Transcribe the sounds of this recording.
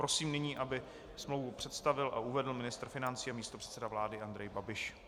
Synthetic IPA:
pɾo̞siːmnɪɲiːʔabɪ | smlowvupr̝̥ɛt̪st̪avɪlʔa̰ʔuvɛdl̩mɪnɪst̪r̩fɪnant͡siːamiːst̪o̞pr̝̥ɛ̥t̪t͡sɛdavlaːdɪʔand̪ɾɛjbabɪʃ

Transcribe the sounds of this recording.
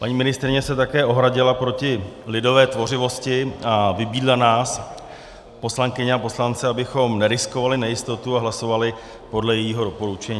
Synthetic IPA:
paɲiːmɪnɪst̪ɾɪɲɛsɛt̪akɛːʔo̞ɦɾaɟɪlapɾo̞cɪlɪdo̞vɛːt̪vo̞r̝ɪvo̞scɪavɪbiːdlanaːs | po̞slaŋkɪɲɛapo̞slant͡sɛabɪxo̞mnɛɾɪsko̞valɪnɛjɪst̪o̞t̪uaɦlaso̞valɪ | po̞dlɛjɛjiːɦo̞do̞po̞ɾut͡ʃɛɲː

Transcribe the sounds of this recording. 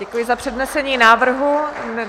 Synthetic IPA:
ɛkujɪzapr̝̥ɛdnɛsɛɲiːnaːvr̩ɦu

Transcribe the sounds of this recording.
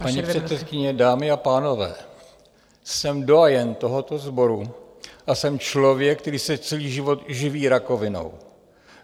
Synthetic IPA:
paɲiprɛt̪sɛt̪̚kɪɲɛdaːmɪapaːno̞vɛ̰ː | sɛmdo̞ajɛnt̪o̞ɦo̞t̪o̞zbo̞ɾu | ʔasɛmt͡ʃlo̞vjɛk̚t̪ɛɾiːsɛt͡sɛliːʒɪvo̞t̪ʒɪviːɾako̞vɪno̞̰w

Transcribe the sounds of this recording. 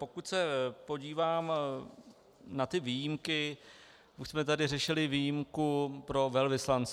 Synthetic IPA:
po̞kuc̪sɛpo̞ɟiːvaːm | nat̪ɪviːjɪmkɪ | uʃsmɛt̪adɪrɛʃɪlɪviːjimkupɾo̞vɛlvɪslant͡s

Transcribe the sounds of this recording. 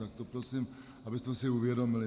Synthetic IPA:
ak̚t̪ɔpɾɔsiːm | abizmɛsiuʋɪɛd̪ɔmili

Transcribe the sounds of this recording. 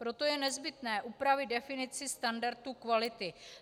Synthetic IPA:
pɾo̞t̪o̞jɛnɛzbɪt̪nɛːʔupɾavɪd̪dɛfɪnɪt͡sɪst̪andaɾt̪uːkvalɪt̪ɪ

